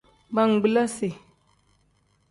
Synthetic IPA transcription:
ba˦ŋ̩˨ɡ͡bi˦la˦se˨

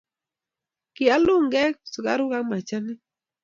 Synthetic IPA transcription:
kɪ˨a˦lʊ˦˨ŋɡɛ˦k̚sʊ˨ɡa̰˦ɾʊ˦ɡa˦ma˨t͡ʃa˦nɪ˦

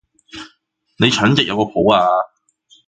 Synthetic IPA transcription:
ne˨˧jt͡ʃʰœː˨˥ŋt͡sɪ˨k̚jɐ˨˧wkɔː˧pʰo˨˥waː˧

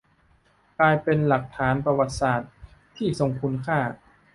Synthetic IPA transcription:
klaː˧jpe˧nla˨˩k̚t̪ʰaː˩˦npɾa˧wa˨˩t̪̚saː˨˩t̪̚ʰː | iː˥˩so˧ŋkʰu˧nkʰaː˥˩

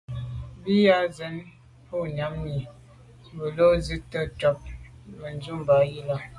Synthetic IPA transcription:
bi˦ja˦zə˨˦n | po˦˨ɲa˨˦mɲi˨ | bə˨lo˦zi˦tə˦tɔ˨p̚ | mə˨n˦zu˦˨mba˨˦ji˦la˦

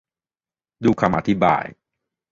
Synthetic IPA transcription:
duː˧kʰa˧mʔa˧t̪ʰi˦˥ba̰ː˧j

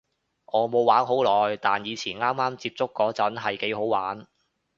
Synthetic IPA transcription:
ʔɔː˨˧mo˨˧waː˨˥nɦo˨˥wlɔː˨jt̪aː˨njiː˨˧t͡sʰiː˨˩nŋaː˥mːaː˥mt͡siː˧p̚t͡sʊ˥kːɔː˨˥t͡sɐ˨˥nɦɐ˨jke˨˥jɦo˨˥waː˨˥n

